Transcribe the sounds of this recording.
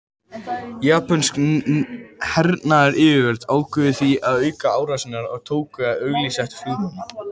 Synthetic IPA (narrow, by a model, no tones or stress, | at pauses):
jaːpansk | hɛɾt̪naaɾʔɪːvɪvɛɾt̪aːwkʏðɪθiaðœːɥkaaːwɾasɪnaɾɔɣt̪ʰoːwkʏaðœɣlisɛht̪fuðpana